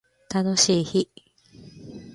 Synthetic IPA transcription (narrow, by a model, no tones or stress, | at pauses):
t̪ano̞ɕiːçi